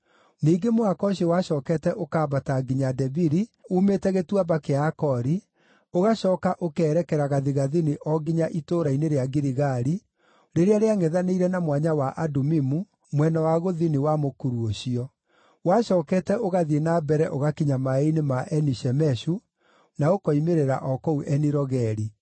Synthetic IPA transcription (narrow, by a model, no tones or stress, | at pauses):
niːɡemoakɔɕewaʃɔːkɛtɛʔokaːbataɡiɲadɛbiɾiuːmetɛɣetwabakeakɔɾi | oɣaɕɔːkaʔokɛːɾɛkɛɾaɣaðiɣaðiniʔɔɡiɲaʔitoːɾaineɾeaɡiɾiɣaɾi | ɾeɾeaɾeaŋɛðaneiɾɛnamwaɲawaʔadomimu | mwɛnawaɣoðiniwamokuɾuoɕiɔ | waɕɔːkɛtɛʔoɣaðienabɛɾɛʔoɣakiɲamaeinemaʔɛniʃɛmɛɕu | naokɔimeɾeɾa̰ʔɔkɔuʔɛniɾɔɣɛɾi